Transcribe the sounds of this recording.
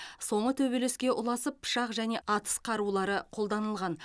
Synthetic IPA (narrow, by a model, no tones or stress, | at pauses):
so̞ɴʁət̪ʰɵbeleskʲe̞ʔʊlˠɑsəpːʰʊ̥ʃɑqʒæne̞ʔɑt̪ə̥sqʰɑɾulˠɑɾəqʰo̞lˠd̪ɑnəlˠʁɑn